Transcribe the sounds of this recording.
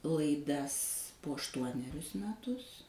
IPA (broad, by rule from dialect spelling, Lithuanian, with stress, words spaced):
lˠɐɪˈdɐs poː ɐʃˈtuɔnʲɛrʲʊs mʲɛˈtʊs